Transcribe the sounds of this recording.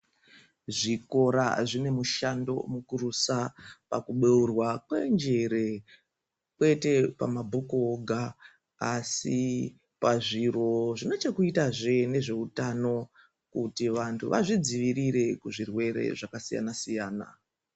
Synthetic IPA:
ʐiko̞ɾa̰ʐine̞muʃando̞̰mukurusapakuɓeurwakwe̞̰nd͡ʒeɾe̞ | kwe̞te̞pa̰mabʱukoɡʱaː | si | paʐiro̞ʐino̞t͡ʃakuitaʐe̞ne̞ʐe̞utano̞ | kutiʋantʰuʋaʐid͡ziʋiɾiɾe̞kuʐirwe̞ɾe̞̰ʐakasija̰nasijaːna̰

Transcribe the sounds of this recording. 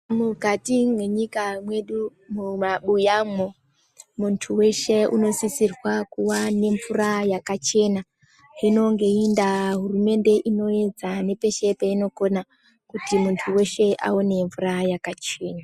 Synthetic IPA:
muɡʱatimwe̞ɲikamwe̞ɗumumaɓujamo̞ | muntʰuwe̞ʃe̞ʔṵno̞sisirwakuwane̞ɱvurajakat͡ʃe̞na | ino̞ŋɡe̞indaɦurume̞nde̞ʔino̞ed͡zane̞pe̞ʃe̞peino̞ko̞na | kutimuntʰuwe̞ʃe̞ʔa̰one̞ɱvurajakat͡ʃe̞ːna

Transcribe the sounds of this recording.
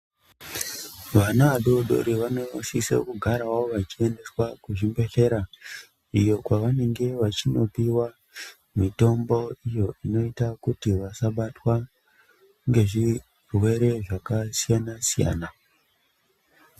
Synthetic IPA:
ʋanaʋaɗo̞ɗo̞̰ɾiʋano̞sisḛkuɡʱaɾaoʋat͡ʃie̞nde̞swakuʐimbe̞ɬe̞ɾa | ijo̞kwaʋane̞ŋɡe̞ʋat͡ʃino̞piwa | mito̞mbo̞ijo̞ʔino̞itakutiʋasaɓatwa | ŋɡe̞ʐi | rwe̞ɾe̞ʐakasijanasija̰ːna

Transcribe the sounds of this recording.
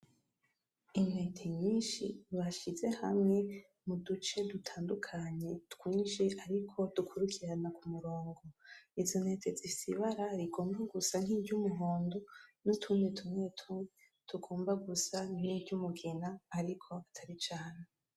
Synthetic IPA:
ine̞tʰeɲiːnʃḭβaʃize̞ha̰mŋe̞ | mudut͡ʃe̞dutʰaːndukʰaɲe̞tkwiːnʃiʔaɾikʰo̞d̥ukʰuɾukʰiɾanakumuɾoːŋɡo̞izo̞ne̞tezisiβaɾaɾiɡo̞ːmbaɡusan̥hiːbɟumuɦoːndonutʰuːnditʰumetʰu | tʰuɡo̞ːmbaɡusan̥ibɟumuɡenaːɾikʰo̞atʰaɾit͡ʃaːne

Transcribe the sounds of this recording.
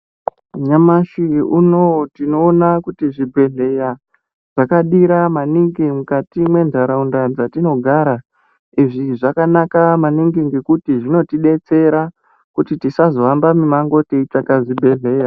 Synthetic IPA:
ɲamaʃiunotino̞ːnakutiʐibʱe̞ɮe̞ja | ʐ̥akaɗiɾamaniŋɡimukatimwe̞ndʱaɾaundad͡zatino̞ɡʱaɾa | iʐiʐakanakamaniŋɡiŋɡe̞kutiʐino̞tiɗe̞t͡se̞ɾa | kutitisazo̞ambamimaŋɡo̞teit͡sakaʐibʱe̞ɮe̞ːja

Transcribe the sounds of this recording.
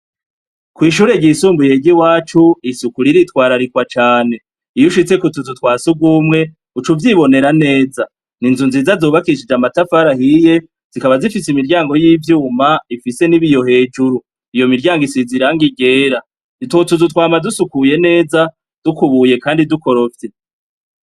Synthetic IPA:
kwiːʃuːɾe̞ɟisuːmbuje̞ɟiwaːt͡ʃuisukuɾiɾitwaːɾaɾikwat͡ʃaːne̞ | ijuʃit͡se̞kutuzutwaːsuɡumŋe̞ | ut͡ʃuvjiβo̞ne̞ɾane̞ːza | ninzunziːzazoːβakiiʃid͡ʒamatafaɾahije̞ | z̥ikaβazifisimiɾɟaːŋɡo̞jiːvjuːmaifise̞niβijo̞he̞ːd͡ʒuɾu | ijo̞miɾɟaːŋɡisiziɾaŋɡiɡe̞ːɾa | totuzutwaːmadusukuje̞ne̞ːza | d̥ukuβuje̞kaːndiduko̞ɾo̞fte

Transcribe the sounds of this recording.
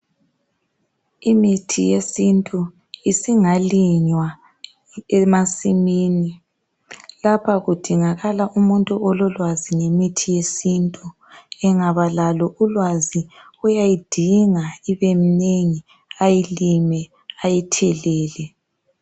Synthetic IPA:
imitʰijesintʼu | isiŋaliɲwa | ɛmasimiːni | lapʰaɣud̥ʱiŋaɣalaʔumuntʼuʔɔlɔlwaziŋemitʰijesintʼu | ɛŋaβalalɔulwazi | ujajid̥ʱiŋaiβemineŋi | ajilimɛ | ajitʰɛlɛːlɛ

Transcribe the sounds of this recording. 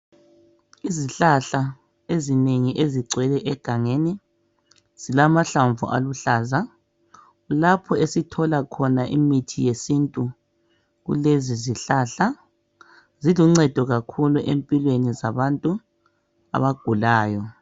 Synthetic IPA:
iziɬaɬa | ezineŋiʔeziǀʱwɛlɛʔɛɡ̥ʱaŋeni | z̥ilamaɬaɱvṵʔa̰luɬaːza | ulapʰɔesitʰɔlakʰɔnaʔḭmitʰijesintʼu | ɣṵleziziɬaːɬa | ziluŋ͡ǀɛd̥ʱɔɣakʰuluʔempʼilwenizaβantʼu | a̰βaɡ̥ʱulaːjɔ

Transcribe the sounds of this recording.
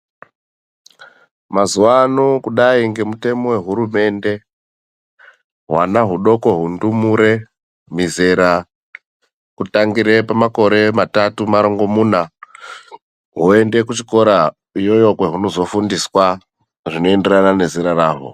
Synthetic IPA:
mazuwanokuɗaiŋɡe̞mute̞mo̞we̞ɦuɾume̞nde̞ | ɦwa̰naɦuɗo̞ko̞ɦundumuɾe̞ | mizeɾa | kutaŋɡiɾe̞pamako̞ɾe̞matatumaɾo̞ŋɡo̞muːna | ɦuende̞kut͡ʃiko̞ɾa | ijojo̞kwe̞ɦuno̞zo̞fundiswa | ʐino̞e̞nde̞ranane̞ziɾaraːɦo̰

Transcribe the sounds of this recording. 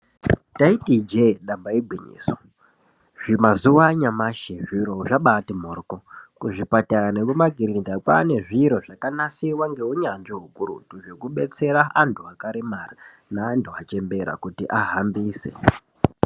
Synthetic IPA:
taitid͡ʒeɗambaeɡʱwiɲḭːso | ʐimazuwaɲamaʃeʐiɾo̞ʐaɓatimoːrkokuʐipataanekumaɡʱiɾindakwa̰ne̞ʐiɾo̞ʐakanasiwaŋɡe̞uɲanʐiɦukuɾṵtuʐe̞kuɓe̞t͡se̞ɾaantʰuakaɾemara | naːntʰuat͡ʃe̞mbe̞ɾa̰kutiʔaɦambiːsḛ

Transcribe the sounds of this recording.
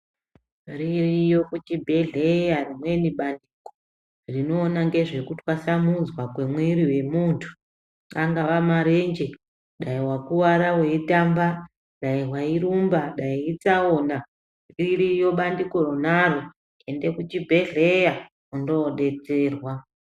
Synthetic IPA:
ririjo̞kut͡ʃibʱe̞ɮe̞jarimwe̞niɓandiko | rino̞ːnaŋɡe̞ʐe̞kutiwasamuzwakwemweɾiwe̞muːntʰu̥ | aŋɡaʋamaɾend͡ʒe | ɗaiwakuwaɾawe̞itamba | ɗaiɦwaiɾumbaɗaiit͡saona | riɾijo̞ɓandiko̞ɾonaro | ende̞kut͡ʃibʱe̞ɮe̞ja | undo̞ɗe̞t͡se̞ːrwa

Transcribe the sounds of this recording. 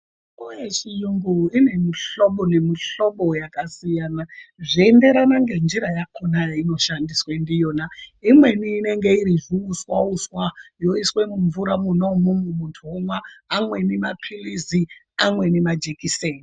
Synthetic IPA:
ujet͡ʃijuŋɡuine̞miɬoɓone̞miɬo̞ɓo̞jakasijanaʐiende̞ɾanaŋɡe̞nd͡ʒiɾajakʰonaino̞ʃandiswendijo̞ːnaimwe̞niːne̞ŋɡe̞iɾiʐiuswauswajo̞iswe̞muɱvuɾamunomomumuntʰuomwaːmwe̞nemapʰilizi | amwe̞nemad͡ʒekiseːni

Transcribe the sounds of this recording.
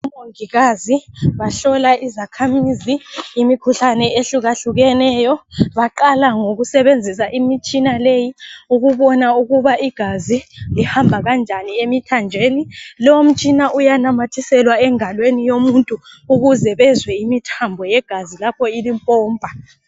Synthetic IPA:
umoŋiɣaziβaɬɔlaizakʰamiziːmikʰuɬanɛeɬuɣaɬuɣɛnɛːjɔβaǃalaŋoɣusɛβend͡zʱisaʔimit͡ʃʼinalejiuɣuβɔnauɣuβaʔiɡ̥ʱazilihambʱaɣand͡ʒʱaniemitʰand͡ʒʱeːnilɔwom̩t͡ʃʼinaʔujanamatʰisɛlwaɛŋalwenijomuntʼuuɣuzɛβɛzwɛimitʰambʱɔjɛɡ̥ʱazilapʰɔilimpʼɔːmbʱa

